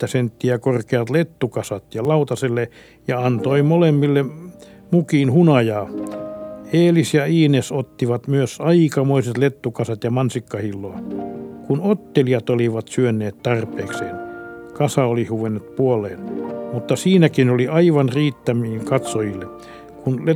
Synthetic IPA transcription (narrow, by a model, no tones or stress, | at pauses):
t̪ːæsent̪ːiækorkeɑt̪let̪ːukɑsɑt̪jɑlɑut̪ɑselːe | jɑɑnt̪oimolemːilːe | mukiːnhunɑjɑː | eːlisjɑiːnesot̪ːiʋɑt̪myøsɑikɑmoiset̪let̪ːukɑsɑt̪jɑmɑnsikːɑhilːoːkunot̪ːeliɑt̪oliʋɑt̪syønːˑeːt̪t̪ɑrpeːksḛːnkɑsɑolihuʋenːet̪puoleːnmut̪ːɑsiːnækinoliɑiʋɑnriːt̪ːæmiːŋkɑt̪sojilːe | kunle